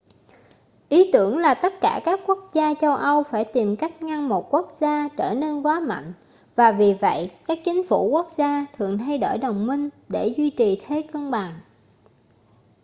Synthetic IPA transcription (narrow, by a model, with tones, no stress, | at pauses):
ʔi˨˦t̪ɨ˧˩əŋlaː˨˩t̪ə˦˥t̚kaː˧˩kaː˦˥kːu˦˥ək̚zaː˧t͡ɕə˧wʔə˧wfaː˧˩jt̪i˨˩mka˦˥jk̟̚ŋa˧ŋmo˨˩t̚ku˦˥ək̚z̥aː˧t͡ɕəː˧˩ne˧nkwaː˨˦ma̰˧˨ŋ̟ | vaː˨˩vi˨˩və̰˧˨jkaː˦˥k̚t͡ɕï˨˦ŋ̟fu˧˩ku˦˥ək̚zaː˧t̪ʰɨ˨˩əŋt̪ʰa˧jɗo̰˧˩jɗə˨˩wŋ͡mmï˧ŋ̟ | ɗe˧˩zwi˧t͡ɕi˨˩t̪ʰe˨˦kə˧nɓa˨˩ŋ